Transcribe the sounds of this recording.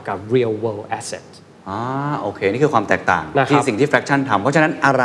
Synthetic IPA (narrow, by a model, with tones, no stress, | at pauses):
ka˨˩p̚ɾi˧əlwe˧lʔɛ˦˥sɛ̰˨t̚ | ʔaː˦˥ʔoː˧kʰeː˧niː˥˩kɯː˧kwaː˧mt̪ɛː˨˩k̚t̪a̰ː˨˩ŋn˧k̪ʰiː˥˦si˨˩ŋt̪ʰiː˥˩fɾɛ˦˥k̚t͡ɕʰa˥˩nt̪ʰa˧mpʰɔ˦˥a˧˥na˦˥nʔa˧ɾa˧